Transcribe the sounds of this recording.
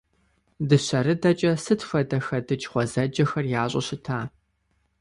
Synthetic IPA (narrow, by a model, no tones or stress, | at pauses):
dɨɕɐɾɨdɐt͡ʃʼɐsɨtfɐdɐxɐdɨt͡ʃʼχʷɔzɐd͡ʒɐxɐrjaːɕʼɐ̰ɕɪtʰaː